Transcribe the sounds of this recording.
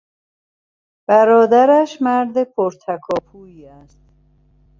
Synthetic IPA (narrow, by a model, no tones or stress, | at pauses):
b̥æɾɒːd̪æɾæʃmæɾd̪epʰoɾt̪ʰækʰɒːpʰuːiːæst̪